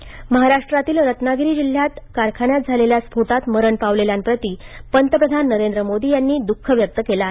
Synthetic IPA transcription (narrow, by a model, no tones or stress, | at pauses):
məɦaɾaʂʈɾat̪iːlɾət̪naɡɾiːd͡ʑil̤jat̪kaɾkʰaɳjat̪̚d͡zʱaleljaspoʈat̪məɾəɳpaʋleljanpɾət̪iːpənt̪əpɾəd̪ʱanːəɾend̪ɾəmod̪iːjanːiːd̪ukʰːəʋjək̚t̪əkelaɦe